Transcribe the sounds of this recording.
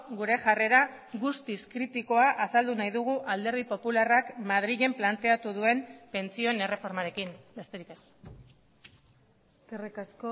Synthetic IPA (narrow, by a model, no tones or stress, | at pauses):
ɡuɾe̞ʝare̞ɾa | ɣust̪iskɾit̪iko̞aʔasald̪unajðuɣ̞uʔald̪e̞ɾð̞ipo̞pularakmað̞ɾiɣe̞mplant̪e̞at̪uðue̞mpe̞nt͡sio̞ene̞re̞fo̞ɾmaɾe̞kimbe̞st̪e̞ɾike̞s | erikasko